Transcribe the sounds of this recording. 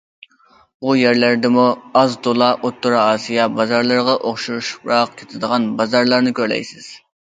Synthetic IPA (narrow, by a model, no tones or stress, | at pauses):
bujæɾlæɾd̪ɪmuɑzd̪olˠɑʔot̪ːuɾɑɑːsijɑbɑzɑɾlˠɑɾʁɑʔoχʃuɾuʃɾɑq̚kʲʰe̥t̪ʰɪd̪əʁɑnbɑzɑɾlˠɑɾnɨkʲøɾlɛ̰jsɪz̥